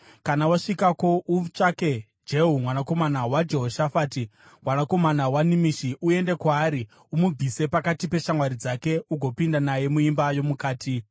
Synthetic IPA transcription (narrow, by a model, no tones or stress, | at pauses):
kanawaʂikako̞ʔut͡ʃake̞ | d͡ʒe̞ɦumwanako̞manawad͡ʒe̞ɦo̞ʃafaːti | mwanako̞manawanimiʃiʔue̞nde̞kwaːɾi | umub͡vʱise̞pakatipe̞ʃamwaɾid͡zake̞uɡʱo̞pindanaje̞muimbajo̞mukaːtʰi